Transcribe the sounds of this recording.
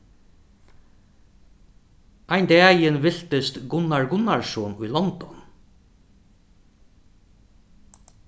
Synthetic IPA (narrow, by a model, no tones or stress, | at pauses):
ajnd̪ɛajɪnvɪl̥t̪ɪst̪ɡʊnaɹɡʊnaɹsɔːnʊjlɔnt̪ɔn